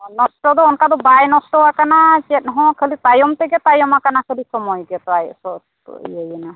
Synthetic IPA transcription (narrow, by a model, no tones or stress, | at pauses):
nɔsʈɔd̪ɔɔnkad̪ɔbajnɔsʈɔwakanat͡ʃɛt̪̚ˀɦɔ̃kʰelit̪ajɔmt̪ɛɡɛt̪ajɔmakanakʰelisɔmɔjɡɛt̪ɔajsɔt̪ | jajɛna